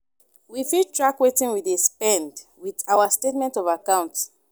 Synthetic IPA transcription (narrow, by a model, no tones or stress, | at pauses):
wifid̚tʰɹakwetĩnwiðespɛ̃nd | wiðaʊastetmɛ̃ntɔvakãʊ̃nt